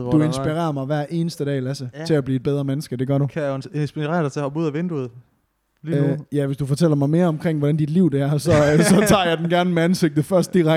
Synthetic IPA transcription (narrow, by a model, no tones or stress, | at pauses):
d̥uensb̥iʁḛːɐmɑ̈ɪʋæɐ̰ʔe̝ːnəsd̥əd̥ɛ̰ːlæsət͡sʰe̝æb̥liːed̥̚b̥eð̞ˠʁɐmenəsɡ̥əd̥e̝ɡ̥ɶɐɾukʰæensb̥iʁɛ̰ɐdaɪt͡sʰe̝hɒbuð̞̰ˠæʋend̥uð̩ˠ | lijæʋe̝sd̥ufɒ̽t͡sʰel̰ɐmɑ̈ɪme̝ːɐɒ̽mkʰʁeŋ̰ʋɒɾænd̥id̥liʊ̰d̥eæɐsɒ̽sɒ̽t͡sʰɑ̰̈ːjɑ̈ɪd̥enɡ̥æɐnəmeænseɡ̥̚d̥ðˠfɶɐsd̥d̥iʁa